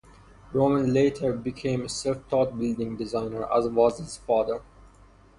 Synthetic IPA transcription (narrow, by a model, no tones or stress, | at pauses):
ɹomə̃nleɪtʰəɹbikʰẽːməsɛlft̪ʰɔt̪̚bɪld̪ɪ̃ŋdɪzãɪnəɹæ̰zwɔzhɪz̥fɑːðəɹ